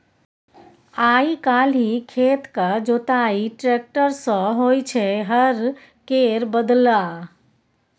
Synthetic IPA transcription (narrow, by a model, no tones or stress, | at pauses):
aːikaːlɦikʰeːt̪kad͡ʒot̪aːiʈɾeːk̚ʈəɾsə̃ɦoːit͡ʃʰeɦəɾ | keːɾbəd̪la